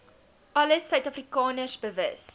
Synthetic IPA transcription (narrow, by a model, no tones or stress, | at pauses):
ʔɐləsœɥtɐfrikɑːnərsbəvə̰s